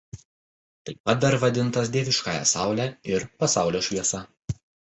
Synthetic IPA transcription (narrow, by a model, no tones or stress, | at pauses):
t̪ɐɪpɐt̪̚d̪ɐɾʋɐd̪ʲɪnˑt̪ɐsd̪ʲiːʋʲɪʃkɑːjɛ̰sɑˑʊlʲæɪɾpɐsɑˑʊlʲoːʃʲʋʲiɛsɐ